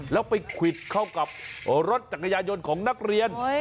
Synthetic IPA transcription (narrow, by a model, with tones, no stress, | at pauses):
lɛː˦˥wpa˧jkʰwi˨˩t̪̚kʰa˥˩wka˨˩p̚ɾo˦˥t̪̚t͡ɕa˨˩kʰːa˧jaː˧jo˧nkʰɔː˩˦ŋna˦˥˩k̚ɾi˧ən